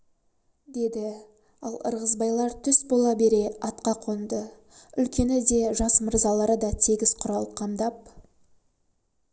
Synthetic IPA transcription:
d̪e̞d̪ɪ | ɑlˠə̰ɾʁəzbɑjlˠɑɾt̪ʰʏsbo̞lˠɑbe̞ɾe̞ɑt̪qɑqʰo̞nd̪ə | ʏlkʲe̞nɪd̪e̞ʒɑsmʊɾzɑlˠɑɾəd̪ɑt̪ʰeɡʲɪz̥qʰʊɾɑlˠəpqʰɑmd̪ɑp̚

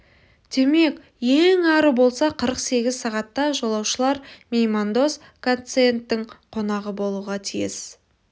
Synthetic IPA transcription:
d̪̥e̞me̞k | jeŋɑɾəbo̞lˠsɑqʰəɾəqse̞ɡʲɪzsɑʁɑt̪ːɑʒo̞lˠɑwʃəlˠɑɾmʲejmand̪o̞s | kʰont̪se̞nt̪ːɪɴqʰo̞nɑʁəbo̞lˠuʁɑt̪ʰijɪ̰s

